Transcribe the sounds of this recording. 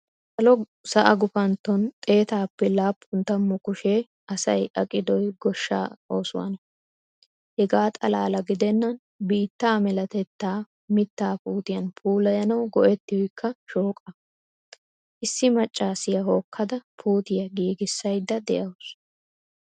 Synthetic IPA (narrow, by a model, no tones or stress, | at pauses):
sɐlɔ | sɐʔɐɡʊfɐnt̪ːɔnt̪ʼe̞ːt̪aːpːɛlaːpʰːʊnt̪ːɐmːʊkʊʃeː | ʔɐsɐ̰jʔɐkʼɪd̪ɔjɡɔʃːa̰ːo̞ːsʊwɐ̰nɐ | hɛɡaːt̪ʼɐla̰ːlɐɡɪd̪ɛnːɐn | biːt̪ːaːmɛlɐt̪ɛt̪ːaː | mɪt̪ːaːpuːt̪ɪjɐnpʰuːlɐjɐnɐwɡɔʔɛt̪ːɪjɔjkʰːɐʃoːkʼɐ | ʔɪsːɪmɐt͡ʃʼːaːsɪjɐɦo̞ːkʰːɐd̪ɐpʰuːt̪ɪjɐɡiːɡɪsːɐjd̪ːɐd̪ɛʔɐws